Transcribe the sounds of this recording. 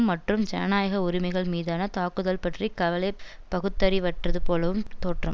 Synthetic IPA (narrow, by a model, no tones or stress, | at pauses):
mmːɐʈrɯmd͡ʒɛ̰naːjɐɣɐʊɾɪmɐɪɣɐɭmiːðaːnɐt̪aːkɯðɐlpɐʈrikːɐʋɐlɐɪ | pːɐɣɯt̪ːɐɾiʋɐʈrɐðɯpoːlɐʋɯmt̪oːʈrɐm